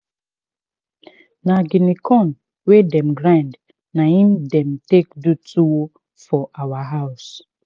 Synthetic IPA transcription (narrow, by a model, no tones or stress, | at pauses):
naɡinikʰɔ̃n | wedɛ̃mɡɾãnd | naĩmdɛ̃mtekdutʰuwo | fɔʔawaɦaʊs